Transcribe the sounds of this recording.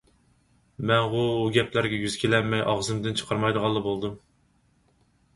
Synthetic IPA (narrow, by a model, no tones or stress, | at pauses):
mɛnʁuuɡʲɛpʰlæɾɡʲɛjyz̥kʲʰelɛnmɛjʔɑʁzɨmd̪ɨnt͡ʃʰə̥qʰɑɾmɑjd̪əʁɑlˠːɨbolˠd̪ɨm